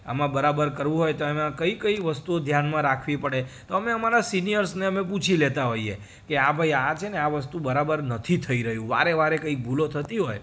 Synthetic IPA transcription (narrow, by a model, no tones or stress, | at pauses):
ə̰mãbəɾabəɾkəɾʋũɦojt̪oemãkəikəiʋəst̪uod̪ʱjanmãɾakʰʋipəɽet̪oəmeəmaɾasinijəɾsneəmeput͡ʃʰilet̪aɦoiḛ | keabʱaiat͡ʃʰeneaʋəst̪ũbəɾabəɾnət̪ʰit̪ʰəiɾəɦjũʋa̰ɾeʋaɾekəik̚bʱulot̪ʰət̪iɦoj